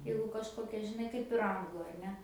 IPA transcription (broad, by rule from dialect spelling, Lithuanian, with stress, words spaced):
ˈjɛɪɡʊ kɐʃˈkoːkʲɛ ʒʲɪˈnɐɪ kɐɪp ɪr ˈɐŋɡlˠʊ ɐr ˈnʲɛ